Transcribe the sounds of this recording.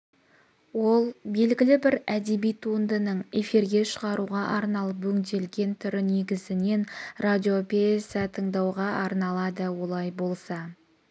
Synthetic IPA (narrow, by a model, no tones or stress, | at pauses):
wo̞lˠbe̞lɡʲɪlɪbɪɾæd̪e̞bijt̪ʰund̪ənəɴe̞fiɾɡʲe̞ʃəʁɑɾuʁɑʔɑɾnɑlˠəpwɵŋd̪e̞lɡʲe̞nt̪ʰʏɾɪne̞ɡʲɪzɪne̞nrad̪ʲio̞pesɑt̪ʰəɴd̪ɑwʁɑʔɑɾnɑlˠɑd̪əwo̞lˠɑjbo̞lˠsɑ